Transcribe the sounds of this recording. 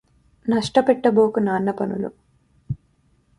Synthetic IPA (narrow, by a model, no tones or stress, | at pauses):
nɐʂʈɐpɛʈːɐbo̞ːkunaːnːɐpɐnṵlṵ